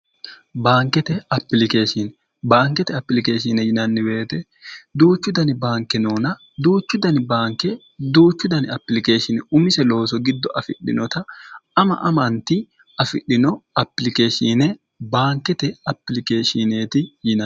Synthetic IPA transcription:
baːŋkːɛt̪ɛɐpːɪlɪke̞ːʃɪn | baːŋkɛt̪ɛɐpːɪlɪke̞ːʃɪːnɛjɪnɐnːɪbe̞ːt̪ɛ | d̪uːt͡ʃːʊd̪ɐnɪbaːŋkːɛnoːnɐ | d̪uːt͡ʃːʊd̪ɐnɪbaːŋkːɛ | d̪uːt͡ʃːʊd̪ɐnɪɐpːɪlɪke̞ːʃɪnʊmɪsɛlo̞ːs̬ɔɡɪd̪ːɔʔɐfɪ̰ɗɪ̰nɔt̪ɐɐmɐ̰ʔɐmɐnt̪ɪ | ɐfɪɗːɪnɔɐpːɪlɪke̞ːʃinɛ | baːŋkːɛt̪ɛɐpːɪlɪke̞ːʃɪneːt̪ɪjɪnɐ

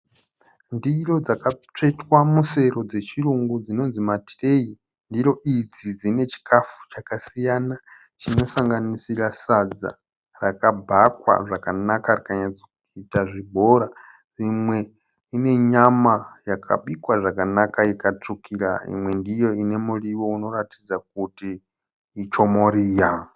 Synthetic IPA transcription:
ndiro̞d͡zakat͡ʂaitwamuse̞ro̞d͡ze̞t͡ʃiruŋɡud͡zino̞nzimati̥re̞i | ndiɾo̞ʔid͡zid͡zine̞t͡ʃi̥kʰafu̥t͡ʃakasijana | t͡ʃino̞saŋɡanisiɾasad͡za̰ | rakabʱakwa̰ʐakanakariakaɲad͡zekuitaʐibʱo̞ɾa | d͡zimwe̞ | ine̞ɲamajakʰa̰ɓikwaʐakanakaikat͡ʂukiɾaḭmwe̞ndijo̞ine̞muriwouno̞ɾatid͡zak̚utiː | t͡ʃo̞moɾiːja

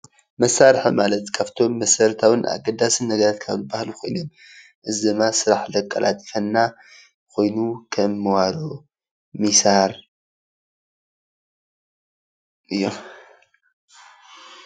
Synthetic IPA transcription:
mɐsaɾħimalɐt̪kʰaft̪ʰo̞mːɐsɐɾt̪ʰawɨna̰ɡɐd̪asɨnːɐɡɐɾat̪kʰa̰βlɨbahlukʰo̞jnom | ʔɨzɨd̪ɨmːasɨɾaħlɐkʼːɐlʔa̰t̪ʼi̥fɐnːa | kʰo̞jnukʰɐmːɨwaɾo | misaɾ | ʔɨjːom

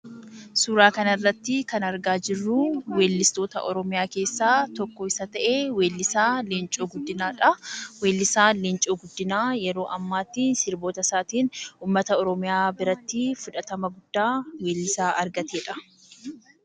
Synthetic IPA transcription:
suːɾaːkɐnɐrːɐt̪ːɪkɐnɐɾɡaːd͡ʒɪrːuːwe̞ːlːɪst̪o̞ːt̪ɐ̰ʔɔ̰ɾɔmɪjaːke̞ːsːaːt̪ɔkːɔɪsɐt̪ɐʔeːweːlːɪsaːlɪnt͡ʃʼoːɡʊd̪ːɪnaːᶑɐweːlːɪsaːlɪnt͡ʃʼoːɡʊd̪ːɪnaːjɛɾo̞ːʔɐmːaːt̪ːiːsɪɾbo̞ːt̪ɐsaːt̪iːnuːmːɐt̪ɐɔɾɔmɪjaːbɪɾɐt̪ːɪfʊᶑɐt̪ɐmɐɡʊd̪̥ːaːweːlːɪsaːʔɐɾɡɐt̪eːᶑɐ

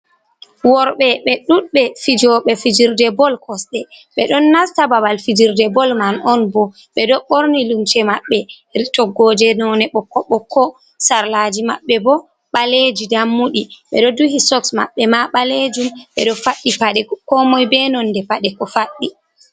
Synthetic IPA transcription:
wɔɾɓɛɓɛɗuɗɓɛfid͡ʒɔɓɛfid͡ʒiɾdɛbɔlkʰɔsɗɛɓɛɗɔnːastababalfid͡ʒiɾdɛbɔlmanɔnbɔ | ɓɛdɔɓoɾnilumt͡ʃɛmaɓːɛ | ɾitɔɡːɔd͡ʒɛnɔnɛɓɔkːɔɓɔkːɔ | saɾlad͡ʒima̰ɓːɛbɔ | ɓaled͡ʒidamːuɗiɓɛ̰ɗɔduhisɔksma̰ɓːɛmaɓaled͡ʒumɓɛ̰ɗɔfaɗːipaɗɛkɔmɔjbɛnɔnːdɛpaɗɛkɔfaɗːi

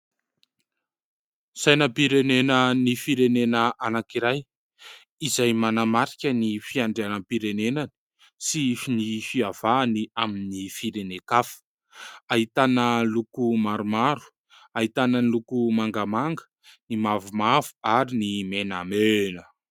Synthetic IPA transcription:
sajnəpiɾenenənifiɾenenəʔanakiɾaj | izajmanamaɾi̥kʲənifiaɳɖ͡ʐeanəpiɾenenanə̥ | sifnifiav̥aːniaminifiɾenekafə̥ | aɦit̪anəlukumaɾumaɾu̥ | aɦit̪anənlukumaŋɡamaŋɡə̥ | nimavumavu̥aɾinimenamenə

